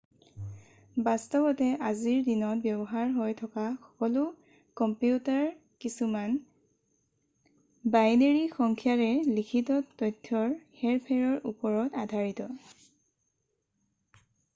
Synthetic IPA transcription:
bastɔbɔtɛʔaziɹdinɔt̚bjɔbɔɦaɹɦojtʰɔkaxɔ̥kɔlʊ | kɔmpjutaɹ | kisuman | baɡneɹixɔŋkʰijaɹɛlikʰitɔtɔjtʰːɔɹhɛɹpʰɛɹɔɹupɔɹɔtadʱaɹitɔ

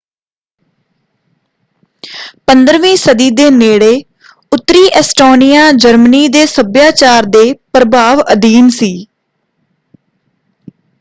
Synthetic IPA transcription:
pənd̪əɾʋĩːsəd̪iːd̪eːneːɽeː | ʊt̪ːɾiːʔɛsʈoːnijaːd͡ʒəɾməniːd̪eːsəbjaːt͡ʃaːɾd̪eːpɾəbaːʋəd̪iːnsiː

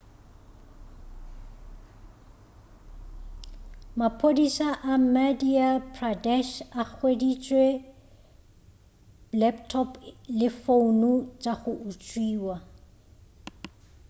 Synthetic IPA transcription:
mapʰʼodisaʔamadiapʰradɛʃak͡xʰwedit͡ʃʼwe | lɛptʰɔplɪfonʊt͡ʃʼaχʊʔut͡ʃʼwiːwa

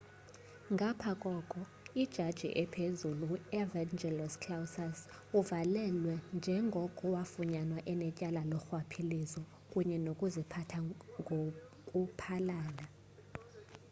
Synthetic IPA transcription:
ŋɡʱapʰakʼɔkʼɔ | id̥ʒ̥ʱad̥ʒ̥ʱḭʔɛpʰezuluɛvand͡ʒɛlɔskʰlawsas | uvalɛlwɛnd͡ʒʱɛŋɡʱɔkʼuwafuɲanwaʔɛnɛcʼalalɔxwapʰilizɔ | kʼuɲɛnokʼuzipʰatʰaŋʱo | kʼupʰalaːna

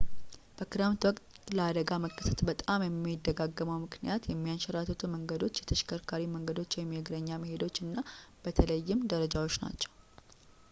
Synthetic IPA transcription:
b̥əkɨɾamt̪wɔkʼt̪ʼ | ləad̪əɡaməkːə̥sət̪bət̪ʼamjɛmːiɪd̪ːəɡaɡːəməwmɨknijat̪jɛmːijanʃəɾat̪ʰət̪ʰuməŋɡəd̪o̞t͡ʃːjɛt̪ʰəʃkʰəɾkʰaɾiməŋɡəd̪o̞t͡ʃːjɛmːeɡɾəɲːaməhe̞d̪o̞t͡ʃːɨnːab̥ət̪ʰələjːɪmd̪əɾəd͡ʒawo̞t͡ʃːna̰t͡ʃːɛ̥w

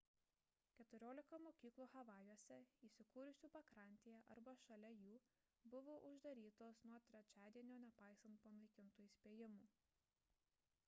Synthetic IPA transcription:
kʲɛt̪ʊɾʲoːlʲɪkɐmoːkʲiːklˠuːxɐʋɑːjuɔsʲɛiːsʲɪkuːɾʲʊsʲuːpɐkɾɐˑnʲt̪ʲeːjɛʔɐɾbɐʃɐlʲɛjuː | bʊʋoːʔʊʒd̪ɐɾʲiːt̪oːsnuɔt̪ʲɾʲɛt͡ʃʲæːd̪ʲiɛnʲoːnʲɛpɐˑɪsɐnt̪poːnˠɐɪkʲɪnt̪uːisʲpʲeːjɪmuː

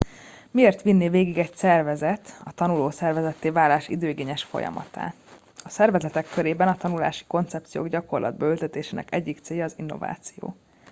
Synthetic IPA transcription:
mieːrt̪ʋinːeveːɡiɡɛcsɛrvɛzɛt̪ɒt̪ɒnuloːsɛrvɛzɛt̪ːeːvaːlaːʃḭd̪øːɡeːɲɛʃfo̞̰jɒ̰mɒ̰t̪a̰ː | ɒsɛrvɛzɛt̪ɛkːøɾeːbɛnɒt̪ɒnula̰ːʃi̥ko̞nt̪sɛp̚t̪sijo̰ːɡɟɒko̞rlɒ̰d̪̚bɒølt̪ɛt̪eːʃeːnɛ̰kɛɟːikt̪seːjɒːzinːo̞̰va̰ːt̪sijo̰ː

